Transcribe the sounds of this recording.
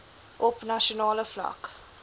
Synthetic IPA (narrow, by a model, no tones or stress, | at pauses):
ʔɔpnaʃonɑːləfla̰k